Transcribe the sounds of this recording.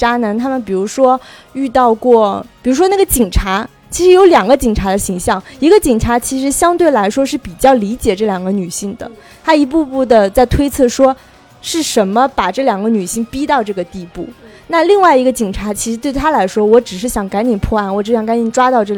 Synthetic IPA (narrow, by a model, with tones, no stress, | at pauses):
ʈ͡ʂa˥na˧˥nt̪ʰa˥mə˨npi˨˩ɻu˧˥ʂwɔ˥ | y˥˧t̪ɑ˥˧ʊkwɔ˥˩pi˨˩ɻu˧˥ʂwna˥˩ɡə˦t͡ɕi˨˩ŋʈ͡ʂʰa˧˥ | t͡ɕʰi˧˥ʂɻ̩˧˥jo˧˥ʊljɑ˨˩ŋɡə˦t͡ɕi˨˩ŋʈ͡ʂʰa˧˥d̪ə˧ɕi˧˥ŋɕjɑ˥˩ŋi˧˥ɡə˧t͡ɕi˨˩ŋʈ͡ʂʰa˧˥t͡ɕʰi˧˥ʂ̬ɻ̩˧˥ɕjɑ˥ŋt̪we˥˩ɪla˧˥ɪʂwɔ˥ʂɻ̩˥˩pi˨˩t͡ɕjɑ˥˩ʊli˧˥t͡ɕjɛ˨˩ʈ͡ʂɤ˥˩ljɑ˨˩ŋɡə˦ny˨˩ɕi˥˩ŋd̪ə̰˩ | t̪ʰa˥i˧˥p̬u˥˧pu˥˩d̪ə˩t͡sa˥˩ɪt̪ʰwe˥ɪt͡sʰɤ˥˩ʂwɔ˥ | ʂɻ̩˥˩ʂə˧˥nmə˧pa˨˩ʈ͡ʂɤ˥˩ljɑ˨˩ŋɡə˧˦ny˨˩ɕi˥˩ŋpi˥t̪ɑ˥˧ʊʈ͡ʂɤ˥˩ɡə˩t̪i˥˧pṵ˥˩ | na˥˧li˥˧ŋwa˥˩ɪi˧˥ɡə˧t͡ɕi˨˩ŋʈ͡ʂʰa˧˥t͡ɕʰi˧˥ʂɻ̩˧˥t̪we˥˩ɪt̪ʰa˥la˧˥ɪʂwɔ˥wɔ˧˥ʈ͡ʂɻ̩˨˩ʂ̬ɻ̩˥˩ɕjɑ˨˩ŋka˧˥nt͡ɕ̪i˨˩pʰwɔ˥˧a˥˩nwɔ˨˩ʈ͡ʂɻ̩˧˥jɑ˥˩ŋka˧˥nt͡ɕi˥˩ʈ͡ʂwa˥t̪ɑ˥˧ʊʈ͡ʂɤ˥˩l